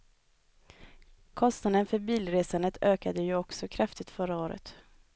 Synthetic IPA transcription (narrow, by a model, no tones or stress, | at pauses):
kʰɔst̪nad̪ənfœɾbiːlɾeːsand̪ət̪ʰøːkad̪əjɵɔksɔkʰɾaft̪ɪt̪fœɾaoːɾə̰t̪